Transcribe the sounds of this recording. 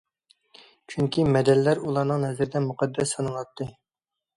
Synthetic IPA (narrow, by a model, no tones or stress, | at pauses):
t͡ʃʰyŋkʲimɛd̪ɛlːæɾulˠɑɾnəŋhɛzɪɾɪd̪ɛmuqɑd̪ːɛsɑnɑlˠɑt̪ʰːɨ